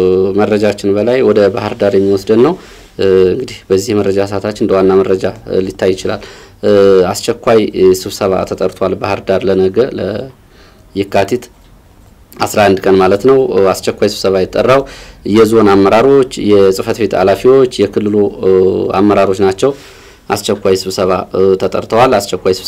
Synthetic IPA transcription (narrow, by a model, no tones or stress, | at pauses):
mərːəd͡ʒat͡ʃːɪnbəlajwɔd̪əbahɨɾd̪aɾjɛmːiwɔsd̪əd̪nːəw | ɨŋɡɨd̪ihbəzːihmərəd͡ʒasat̪ʰat͡ʃːɪnɨnd̪əwanːaməɾəd͡ʒalit̪ʰːajːɪt͡ʃɪla̰l | ast͡ʃɛkʷːajsɨβsəβa̰t̪ʰət̪ʼəɾt̪ʰoalbahɨɾd̪aɾlənəɡələ | jɪkːat̪ʰit̪ | ʔasɾaʔand̪kʼənmalət̪nəwast͡ʃɛkʷajsɨβsəβajɛt̪ʼːərːawjɛzo̞namːəɾaɾo̞t͡ʃːjɛsʼɨfət̪be̞t̪ʰa̰lafiwo̞t͡ʃːjɛkʰɨlːɨlu | a̰mːəɾaɾo̞t͡ʃnat͡ʃːɛw | ʔast͡ʃɛkʷːajsɨβsəβat̪ʰət̪ʼəɾt̪ʰəwalast͡ʃɛkʷːajsɨβ